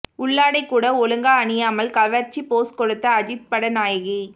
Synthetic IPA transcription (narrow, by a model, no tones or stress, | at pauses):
ʊɭːaːɽɐɪkːuːɽɐɔɭɯŋɡaɐɳɪjaːmɐlkɐʋɐɾt͡ʃːipoːskɔɽɯt̪ːɐːd͡ʒɪt̪̚pɐɽɐnaːjɐɣi